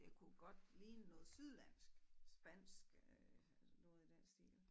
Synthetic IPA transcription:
ekʰuɡ̥ɒ̽d̥liːnənɔ̽ːð̞̩ˠsyðˠlæn̰sɡ̥sb̥æn̰sɡ̥ | nɔ̽ːð̩ˠid̥eɐsd̥ḭːl

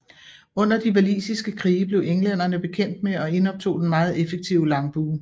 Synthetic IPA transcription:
ɔ̽n̰ɐd̥iʋælḭːsisɡ̥əkʰʁiːəb̥le̝ʊʔeŋlen̰ɐnəb̥e̝kʰen̰d̥meɒ̽e̝nɒ̽b̥̚t͡sʰo̝̰ːd̥enmɑ̈ːð̞̩ˠefeɡ̥̚t͡sʰiʊəlɑ̈ŋb̥uː

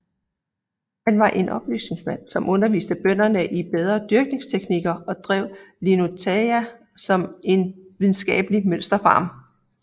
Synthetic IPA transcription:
hænʋɑ̈ʔe̝nʔɒ̽b̥ly̰ːsne̝ŋsmæn̰sɒ̽mʔɔ̽nɐʋḭːsd̥əb̥œn̰ɐnəʔib̥eð̞ˠʁɐd̥yɐɡ̥ne̝ŋst͡sʰeɡ̥niɡ̥ɐɒ̽d̥ʁɛʊlino̝t͡sʰeæ | sɒ̽me̝nʋiðˠn̩sɡ̥ɛ̰ːb̥əlimøn̰sd̥ɐfɑ̈ːm

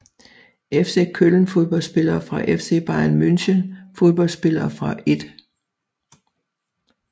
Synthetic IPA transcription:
efse̝kʰøln̩fo̝ðˠb̥ɒ̽lsb̥e̝lɐːfʁɑ̈ʔefse̝̰ːb̥ɑ̈ɪænmynɕənfo̝ðˠb̥ɒ̽lsb̥e̝lɐːfʁɑ̈ʔe̝d̥

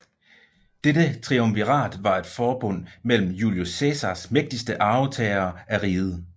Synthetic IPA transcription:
d̥edət͡sʰʁiomʋiʁɑ̰̈ːd̥ʋɑ̈e̝d̥fɒːb̥ɔ̽n̰mel̰m̩juliosesɑsmeɡ̥̚d̥isd̥əʔɑ̈ʊt͡sʰɛːɪɐːæʁiːð̞̩ˠ

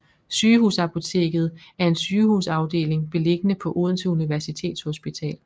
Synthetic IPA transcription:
syːɦusɑ̈pʰo̝t͡sʰe̝̰ːɡ̥ð̞̩ˠæɐe̝nsyːhuːsɑ̈ʊd̥e̝̰ːle̝ŋb̥e̝le̝ɡ̥ənəpʰɒ̽ʔuð̞ˠn̩t͡sʰeuniʋæɐsit͡sʰe̝̰ːd̥shosb̥it͡sʰɛ̰ːl

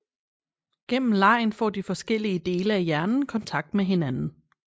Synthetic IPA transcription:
ɡ̥en̰m̩lɑ̈ɪ̰nfɒ̰ːdifɒ̽sɡ̥el̰iəd̥e̝ːləæjæɐnn̩kʰɒ̽nt͡sʰɑ̈ɡ̥̚d̥meɦe̝nænn̩

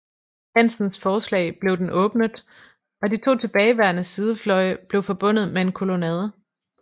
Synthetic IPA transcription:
hæn̰sn̩sfɒːslɛ̰ɪb̥le̝ʊd̥enʔɔ̽ːb̥nəð̩ˠ | ɒ̽dit͡sʰo̝̰ːt͡sʰe̝b̥ɛːɪʋæɐnəsið̞ˠəflɒ̽ɪb̥le̝ʊfɒ̽b̥ɔ̽n̰ð̩ˠmee̝nkʰo̝lo̝nɛð̞ˠ

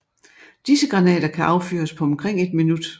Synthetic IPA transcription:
d̥isəɡ̥ʁɑ̈nɛ̰ːd̥ɐkʰæʔɑ̈ʊfy̰ːɐspʰɒ̽ɒmkʰʁeŋ̰e̝d̥̚minud̥

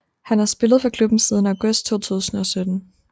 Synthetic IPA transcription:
hænæɐsb̥e̝ləð̩ˠfʁɑ̈kʰlub̥n̩siːð̞ˠn̩æ̈ʊɡ̥ɔ̽sd̥̚t͡sʰo̝̰ːt͡sʰṵːsn̩ɒ̽sød̥n̩

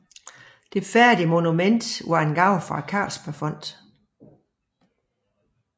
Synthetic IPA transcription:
d̥e̝fæɐd̥iəmo̝numen̰d̥ʋɑ̈e̝nɡ̥ɑ̈ʊ̰fʁɑ̈kʰɑ̰̈ːlspʰæɐfɔ̽n̰d̥

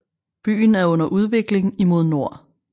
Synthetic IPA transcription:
b̥y̰ːn̩æɐɔ̽n̰ɐʔuð̞ˠʋe̝ɡ̥le̝ŋimo̝ð̞ˠno̝ɐ̰

